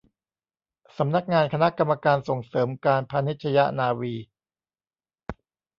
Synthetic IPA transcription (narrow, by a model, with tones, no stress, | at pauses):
sa˩˦mna˦˥k̚ŋaː˧nkʰa˧na˦˥ka˧mːa˧kaː˧nso˨˩ŋsɤː˩˦mkaː˧npʰa˧ni˦˥t̪̚t͡ɕʰa˧ja˦˥naː˧wiː˧